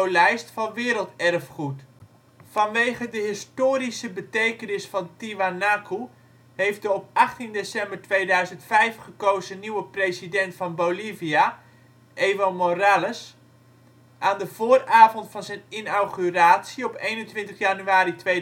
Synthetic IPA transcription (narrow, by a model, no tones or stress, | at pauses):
lɛjstfɔnʋɪːɾəlˠtɛrfχut | fɑnʋejχədəɦɪstoːɾisəbətejkənɪsfɑntiʋanakʰu | ɦejft̚dəɔp̚ɑχtindesɛmbərtʋejdœɥzəntfɛjfχəkowzəniwəprejsidɛntfɑnbowlivia | ʔevomoraləs | ʔaːndəv̥ʊːraːvɔntfɑnzɛnɪnawχyraːtsiəɔpejnəntʋɪntəχjanyaːɾitʋe